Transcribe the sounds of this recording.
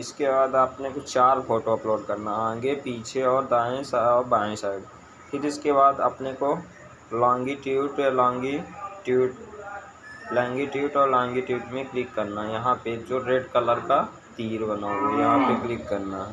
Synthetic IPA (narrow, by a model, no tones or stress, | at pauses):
ɪskebaːd̪ɐpnekot͡ʃaːɾpʰoːʈoɐploːɖkɐɾnaãːɡepiːt͡ʃʰeɔːɾd̪aːẽsaɔːɾbaːẽsaːɪɖ | pʰɪɾɪskeβaːd̪ɐ̰pneko | lãːŋɡiʈiuʈlãːŋɡiʈuʈ | lɛ̃ːŋɡiʈiuːʈɔːɾlãːŋɡiʈuːʈmẽklɪkːɐɾnajɐɦãped͡ʒoɾeːɖkələɾka | t̪iːɾbɐnaːoɡejɐɦãpeklɪkːɐɾna